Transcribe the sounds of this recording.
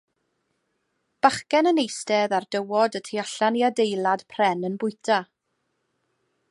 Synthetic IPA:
b̥aχkɛnənejstɛðardəwɔdətʰiaɬaniadejlˠad̥pʰrɛnənbʊɨtʰa

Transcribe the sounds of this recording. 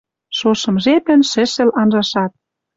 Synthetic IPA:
ʃoʃɤ̆mʒepɘ̆nʃɘ̆ʃɘ̆lɑnʒɑʃɑt̪̚

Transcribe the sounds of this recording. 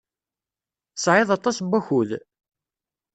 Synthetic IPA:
sʕeðˤɑt̪ˤːɑsbʷːæçuð

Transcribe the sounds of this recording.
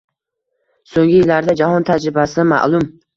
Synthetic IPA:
soŋɡʲɪjɪlːaɾd̪ad͡ʒahɒnt̪ʰad͡ʒɾɪbasɪma̰ʔlˠʊm

